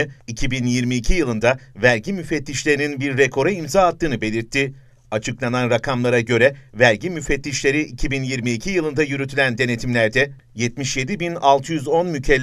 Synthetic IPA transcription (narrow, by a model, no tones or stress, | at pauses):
icʰibinjiɾmiːcʰijɯlˠɯnd̪avæɾɟimyfɛt̪ːiʃlʲe̞ɾininbiɾːekʰo̞ɾaimzaːt̪ːɯːnɯbe̞lʲiɾt̪ʰːi | at͡ʃʰɯklˠananɾakʰamlˠaɾaɟø̞ɾɛvæɾɟimyfet̪ːʲiʃlʲe̞ɾiʔicʰibinjiɾmiːcʰijɯlˠɯnd̪ajyɾyt̪ʰylʲænd̪e̞ne̞t̪ʰimlʲæɾd̪ɛ | jɛt̪miʃje̞d̪ibinalˠt̪ʰɯjyzo̞nmycʰɛlː